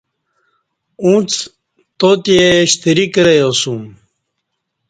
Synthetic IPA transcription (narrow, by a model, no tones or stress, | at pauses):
ũːt͡s | t̪ot̪ieɕt̪iɾikɾejosũm